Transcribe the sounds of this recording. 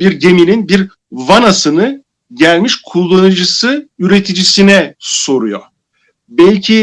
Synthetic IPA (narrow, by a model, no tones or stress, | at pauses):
biɾɟe̞mininbiɾ | vanasɯnɯ | ɟælʲmiʃkʰulˠːanɯd͡ʒɯsɯyɾe̞t̪ʰid͡ʒisinɛso̞ɾujo̰ | bɛlʲcʰi